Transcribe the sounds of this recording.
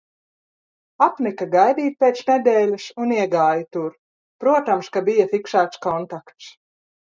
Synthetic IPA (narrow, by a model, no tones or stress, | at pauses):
apnʲɛkaɡajd̪iːt̪̚pʲeːt̪snʲɛd̪ʲeːlʲasuniɛɡaːjt̪uɾ | pɾuɔt̪amskabijafikʃaːt̪skɔnt̪akt̪s